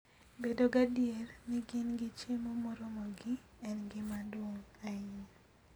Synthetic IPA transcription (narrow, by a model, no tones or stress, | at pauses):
bedoɡadjerniɡɪnɡɪt͡ʃemomɔɾomɔɡɪ | ɛnɡɪmadwoŋaɪn